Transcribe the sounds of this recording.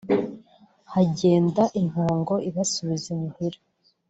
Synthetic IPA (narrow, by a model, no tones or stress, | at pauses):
haɟe̞ːndaʔinhaːŋɡo̞iβasuβizemuhiɾa